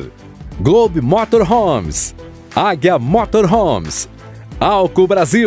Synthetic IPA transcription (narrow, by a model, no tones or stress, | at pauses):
ɡlobɪmɔt̪oɾɦõms | aɡjɐmɔt̪oɾɦõms | awkʊbɾazi